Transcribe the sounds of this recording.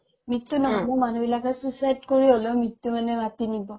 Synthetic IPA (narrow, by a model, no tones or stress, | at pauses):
mitːunɔmɔmanubilakʰasusajdkoɹiolomitːumanɛmatinibɔ